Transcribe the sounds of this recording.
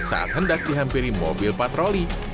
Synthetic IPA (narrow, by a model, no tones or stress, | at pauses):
sa̰ʔa̰t̪̚həndak̚diɦampiɾimo̰bɪlpat̪ɾoli